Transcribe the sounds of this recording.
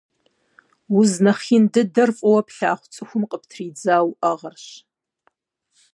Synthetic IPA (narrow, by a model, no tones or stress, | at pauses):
wʊznɐχindɨdɐrfʼɐwɐpʰɬaːχʷt͡sʼɨxʷʊmqʼəpʰtʰriːd͡zaːwaʁɐrɕ